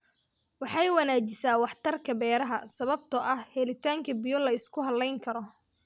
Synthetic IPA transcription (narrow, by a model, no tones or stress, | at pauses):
wɑħɑjwɑnaːt͡ʃɪsaːwɑħt̪ʰɐrkʰɐbɛːɾɐɦɐsɐβɐb̚t̪ʰɐʔɐhhɛlɪt̪ʰaːŋkʰɐbijɔlɐɪskʰʊɦɐlːɛjŋkʰɐɾɔ